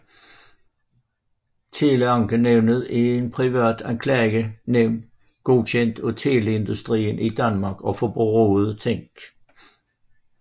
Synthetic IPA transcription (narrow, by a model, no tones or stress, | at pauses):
t͡sʰe̝ːləɑ̈ŋɡ̥əneʊnəð̩ˠenpʰʁiʋæ̰ɐd̥ænkʰlɛ̰ːɡəneʊn | ɡ̥o̝ɕʰen̰d̥ɔt͡sʰeːle̝nd̥usd̥ʁḭːnʔid̥ænmɑ̈ɡ̥ɒ̽fɒb̥oʁoːð̩ˠət͡sʰeŋ̰ɡ̥